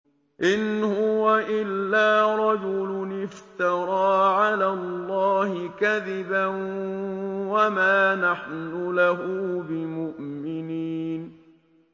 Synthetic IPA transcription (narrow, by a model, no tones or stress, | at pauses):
ʔɪnhʊwaʔɪlːaːɾˤɑd͡ʒʊlʊnɪft̪ɑɾˤɑːʕalaːlːɑːhɪkaðɪban | wamaːnaħnʊlaɦʊbɪmʊʔmɪniːn